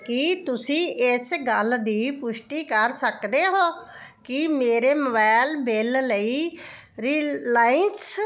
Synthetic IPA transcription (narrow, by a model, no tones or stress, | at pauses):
kit̪ʊsĩːʔɪsɡəld̪iːpʊʃʈiːkəɾsəkd̪eːɦoː | kɪmeːɾeːməbɛːlbɪlləiː | ɾiːlaːɪns